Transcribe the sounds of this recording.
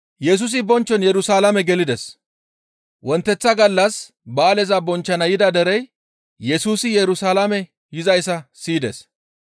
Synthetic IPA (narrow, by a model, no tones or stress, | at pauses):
jɛs̬ʊs̬ɪbɔnt͡ʃːɔnjɛɾʊsaːlɐmɛɡɛlɪd̪ɛs | wɔnt̪ːɛt͡sːɐɡɐlːɐs | baːlɛzɐbɔnt͡ʃːɐnɐjɪd̪ɐd̪ɛɾɛj | jɛsuːsɪjɛɾʊsaːlamɛ | jɪzɐjsːɐsiːd̪ɛ̰s